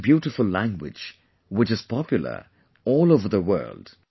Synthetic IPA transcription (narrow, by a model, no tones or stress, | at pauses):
bjuɾɪfəlˠlæ̃ŋɡwɪ̰̥d͡ʒ | wɪt͡ʃɨz̥pʰɑpjl̩ˠə̰˞ | ɔːloʊvəðəwɜ̰˞lˠd̥